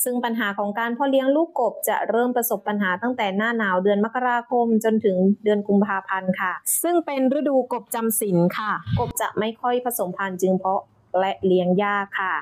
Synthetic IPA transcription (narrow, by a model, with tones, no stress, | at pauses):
sɯ˥˩ŋpa˧nɦaː˩˦kʰɔː˩˦ŋkaː˧npʰɔ˦˥li˦˥əŋluː˥˩kːo˨˩p̚t͡ɕa̰˨˩ɾɤː˥˩mpɾa˧so˨˩pːa˧nɦaː˩˦t̪a˥˩ŋt̪ɛː˨˩naː˥˩naː˩˦wdɯ˧ənma˦˥kːa˧ɾaː˧kʰo˧mt͡ɕo˧nt̪ʰɯ˩˦ŋdɯ˧ənku˧mpʰaː˧pʰa˧nkʰa˥˩sɯ˥˩ŋpe˧nɾɯ˦˥duː˧ko˨˩p̚t͡ɕa˧msi˩˦nkʰa˥˩ko˨˩p̚t͡ɕa̰˨˩ʔma˥˩jkʰɔ˥˩jpʰa˧so˩˦mpʰa˧nt͡ɕɯ˧ŋpʰɔ˦˥ | lɛ˦˥ʔli˦əŋjaː˥˩kʰːa˥˩